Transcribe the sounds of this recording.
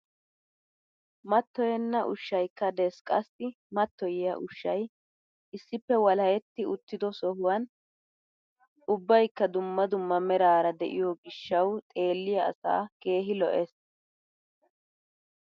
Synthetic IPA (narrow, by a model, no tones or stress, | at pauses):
mɐt̪ːɔjɛnːɐʔʊʃːɐjkːɐd̪ɛskʼɐsːɪ | mɐt̪ːɔjɪjɐ̰ʔʊʃːɐj | ɪsːɪpːɛwɐlɐjɛt̪ːɪʊt̪ːɪd̪ɔsɔɦʊwɐn | ʊbːɐjkːɐd̪ʊmːɐd̪ʊmːɐmɛɾaːɾɐd̪ɛ̰ʔɪjɔɡɪʃːɐwt̪ʼe̞ːlːɪjɐ̰ːsa̰ːke̞ːɦɪlɔ̰ʔɛs